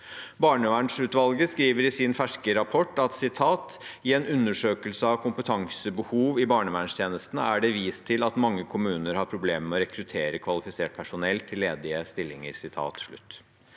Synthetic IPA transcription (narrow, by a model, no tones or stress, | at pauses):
bɑːɳəʋæːɳʂɭʉt̪ʋɑlɡəskɾiːʋəɾɪsɪnfæʂkəɾɑpʰɔʈːɑt̪sɪt̪ʰɑːt̪ɪɛnʉnːəʂøːkəlsəɑʋkʰʊmpət̪ʰɑŋsəbəhuːʋɪbɑːɳəʋæːɳʂt̪ʰjeːnəst̪nə̰æɖɛʋiːst̪ʰɪlɑt̪mɑŋːəkʰʊmʉːnəɾhɑɾpʰɾʊbleːmmɛɔɾɛkʰɾʉt̪ʰeːɾəkʰʋɑlɪfɪseːʈ̚pʰæʂʊnɛlt̪ʰːɪlːeːd̪ɪəst̪ɪlːɪŋəɾsɪt̪ʰɑ̰ːt̪ʂɭʉ̰t̪ː